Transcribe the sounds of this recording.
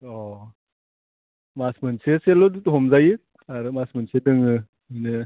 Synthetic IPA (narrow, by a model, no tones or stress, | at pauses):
ɔ | masmɯnseselɔdutuɦɔmzajɯ | aɾɯmasmɯnsedɯŋɯ | inɯ